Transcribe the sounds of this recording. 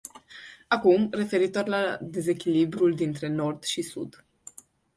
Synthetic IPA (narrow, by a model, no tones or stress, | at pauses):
akumre̞fe̞ɾit̪orlad̪e̞ze̞kʲilibɾuld̪int̪ɾe̞no̞rd̪̥ʃisṵd̪